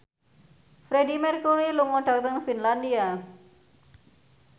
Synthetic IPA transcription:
fɾedimirkuɾiluŋɔɖɔk̚t̪ənfinlandia

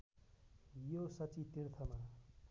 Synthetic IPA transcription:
josʌt͡sit̪irt̪ʰʌma

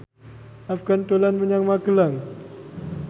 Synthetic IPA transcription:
afɡant̪olanməɲaŋmaɡəlaŋ

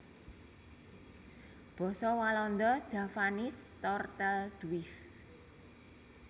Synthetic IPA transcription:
b̥ɔ̤sɔwalɔnd̪ɔd̥ʒ̥a̤fanɪst̪ɔrt̪ɛld̪̥uwɪf

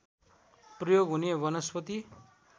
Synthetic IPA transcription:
prʌjoɡɦunebʌnʌspʌt̪i

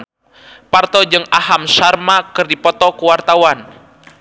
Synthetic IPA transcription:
part̪ɔd͡ʒɨŋaɦamsarmakɨrdipɔt̪ɔkuwart̪awan

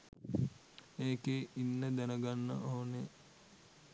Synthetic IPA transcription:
eːkeinːəd̪ænəɡanːə̰ʔoːne

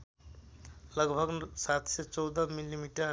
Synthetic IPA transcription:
ləɡbʱəɡsat̪ʰset͡ʃɔwd̪əmilːimiʈə

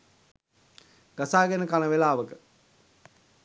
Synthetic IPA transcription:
ɡ̥asaːɡɛnəkaləʋelaːʋəkə

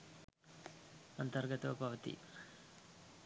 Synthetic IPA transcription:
ɐnt̪ɐɾɡɐt̪ɐʋɐbʱɐʋɐt̪ḭ

